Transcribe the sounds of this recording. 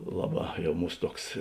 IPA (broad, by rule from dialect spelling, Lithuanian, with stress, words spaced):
ˈlˠɑːˌbɑː ˈjɛʊ ˈmuːs ˈtuɔks